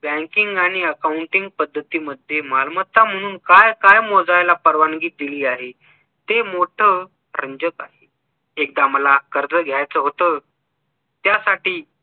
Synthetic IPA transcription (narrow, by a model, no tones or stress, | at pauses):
bɛ̃ŋkiŋɡaɽ̃iəkauɳʈiŋɡ̚pəd̪ːət̪iːməd̪ʱːjemalmət̪ːam̤əɽ̃uːnkajkajmɔd͡zajlapəɾʋanɡiːt̪̚d̪iliːaɦe | t̪emoʈʰə | ɾəɲd͡ʑəkaɦe | ek̚d̪aməlakəɾd͡zəɡʱjajt͡səːɦot̪əː | t̪jasaʈiː